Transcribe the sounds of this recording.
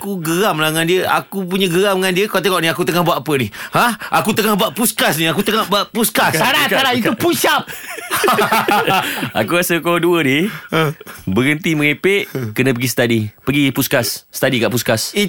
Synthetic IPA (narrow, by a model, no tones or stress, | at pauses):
kuɡəɾamlahŋandiəʔa̰kupuɲəɡəɾamŋandiəkoat̪eŋɔʔniakut̪əŋahbuaʔ̪apənihãʔakut̪əŋahbuaʔpuskasniakut̪əŋahbaʔpuskasaɾaaɾait̪uput͡ʃap̚ | a̰kuɾasəkoduəniəbəɾənt̪imə̃ŋepeʔkənə̃pəɡisə̥t̪adipəɡipuskasːə̥t̪adikaʔpuskas